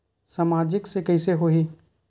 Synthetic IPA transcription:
saːmaːd͡ʒɪksekɛɪseɦoɦiː

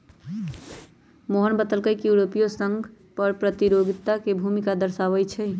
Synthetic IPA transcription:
moɦənbət̪əlkəjkjuɾopijosəŋɡʱ | pəɾpɾət̪iɾoɡʱit̪akebʱumikad̪əɾsaʋəjt͡ʃʰɛj

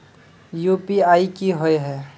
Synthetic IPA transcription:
juːpiaːikiɦoeɦɛː

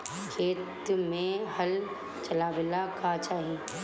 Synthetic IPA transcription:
kʰeːt̪mẽhəl | t͡ʃɐlaːʋelakʰat͡ʃaːɦie

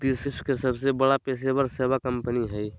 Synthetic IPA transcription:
t̪ɪsɪskesəbsebəɽapeːs̬ebəɾsebakəmpəniɦɛi

